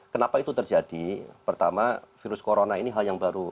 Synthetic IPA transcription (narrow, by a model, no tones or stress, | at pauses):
kənapait̪ut̪ərd͡ʒad̥ipərt̪amafiɾʊskoɾonainiɦaljaŋbaɾu